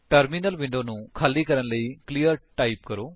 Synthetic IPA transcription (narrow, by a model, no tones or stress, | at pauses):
ʈəɾmiːnəlʋɪ̃ɳɖoːnũːkʰaːliːkəɾənləiːkliːəɾʈaːiːpkəɾoː